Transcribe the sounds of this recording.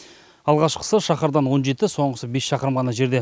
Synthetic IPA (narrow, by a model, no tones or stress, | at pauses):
ɑlˠʁɑʃqʰə̥səʃɑχɑɾd̪ɑnwo̞nʒe̞t̪ɪso̞ɴʁəsəbe̞sʃɑqəɾəmʁɑnɑʒe̞ɾd̪e